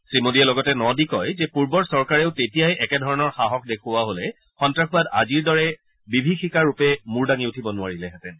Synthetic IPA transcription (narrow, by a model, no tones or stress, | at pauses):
sɹimodiɛlɔɡɔtɛnɔdikɔjzɛpuɹbɔɹsɔɹkaɹeʊtetijajʔɛkɛdʱɔɹɔnɔɹxaɦɔkʰdekʰʊwaɦolɛ | xɔntɹaxʰubada̰ziɹdɔɹɛ | bibʱixikaɹupɛmuɹdaŋiutʰibɔnʊwaɹilɛɦɛtɛn